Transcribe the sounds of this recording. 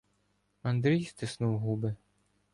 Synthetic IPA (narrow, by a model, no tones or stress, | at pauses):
and̪ɾɨjst̪ɨsnuwɦubɨ